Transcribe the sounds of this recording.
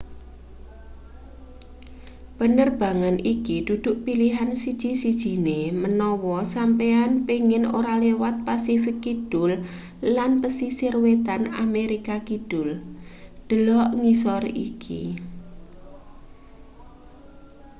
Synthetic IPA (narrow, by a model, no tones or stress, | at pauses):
b̥ənərb̥a̤ŋanikid̪̥ud̪̥ʊʔpiliɦansid̥ʒ̥i̤sid̥ʒ̥i̤nemənɔwɔsampeanpeŋɪnoɾalewat̪̚pasifɪkːid̪̥ʊlː | anpəsisɪrwet̪ana̰meɾikakid̥ʊld̪̥ə̤lɔʔŋisɔrḭkʰḭ